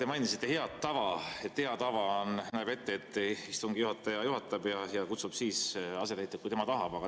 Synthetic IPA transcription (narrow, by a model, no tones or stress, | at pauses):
t̪emɑjnisit̪ːe̞heɑt̪ːɑvɑet̪he̞ɑt̪ɑvɑnnæːbe̞t̪ːe̞et̪ːˑist̪uŋɡ̥ijuhɑt̪ːˑɑjɑjuɦɑt̪ːˑɑb̥jɑjɑkut̪sub̥siːsɑse̞læjt̪ːˑekujt̪emɑt̪ɑɦɑb̥ɑɡɑ